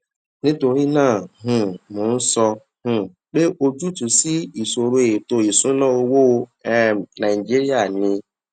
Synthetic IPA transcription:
nĩ˦to˧ɾi˦nãː˦˨ɦũ˨mũ˨˦n̩˦sɔ˧ | hũ˨ | k͡pe˦ʔo˦d͡ʒu˦tũ˨si˦i˨so˨ɾo˨e˨e˨to˧i˨sũ˨˦nã˦o˧wo˦˧˦ɛ˦nã˨i˨d͡ʒi˦ɾi˦a˦˨nĩ˧

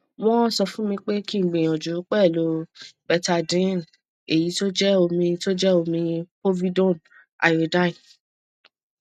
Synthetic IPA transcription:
w̃ɔ̃˦sɔ˧fũ˦mĩ˧k͡pe˦ki˦˨ɡ͡bẽ˨j̃ɔ̃˨d͡ʒu˨˦k͡pɛ˦˨lo˨˦bɛ˧ta˧dĩ˨˦n˨ | e˨ji˨˦to˦d͡ʒɛ˦o˧mĩ˧to˦d͡ʒɛ˦o˧mĩ˧po˦vi˦dɔ̃˦˨n | a̰˨o˨dã˦ĩ˨

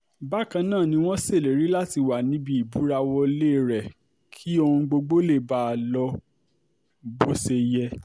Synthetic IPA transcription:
ba˦˨kã˧nãː˦˨nĩ˧w̃ɔ̃˦se˦˨le˨ɾi˨˦la˦ti˧wa˨nĩ˨˦bi˧˦i˨bu˨˦ɾa˧wɔ˧˦le˦˨ɾɛ˨ | kʰi˦o˧hũ˧ɡ͡bo˧ɡ͡bo˦le˦˨ba˦˧lɔ˧ | bo˦se˧jɛ˧

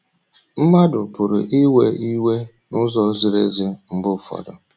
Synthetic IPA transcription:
m̩˦ma˦dʊ˨pʊ˨ɾʊ̰˨ʔi˦we˦i˦we˦ | nʊ˦zɔ˦zi˨ɾe˦zɪ˦m̩˨bʊ˦˨fɔ̰˨dɔ˨

